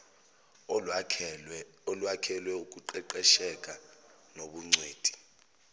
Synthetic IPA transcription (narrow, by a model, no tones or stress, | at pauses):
olwakʰɛlwɛuk̬ʼuǃɛǃɛʃɛk̬ʼa | noɓuŋ͡ǀweːd̥ʱʼi̥